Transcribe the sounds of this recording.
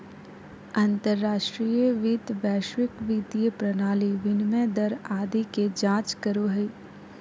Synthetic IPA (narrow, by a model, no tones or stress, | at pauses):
ɐ̃nt̪əɾːaːʃʈɾijəʋiːd̪ʋɛːʃwɪkʋiːd̪ijəpɾɐnaːliʋɪnmeɛ̃ːd̪ɐɾaːd̪iked͡ʒãːt͡ʃkəɾoɦɐi